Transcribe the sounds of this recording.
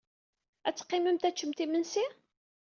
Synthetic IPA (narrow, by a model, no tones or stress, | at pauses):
æt͡sːqːɪməmt̪æt͡ʃːəmt̪imənsi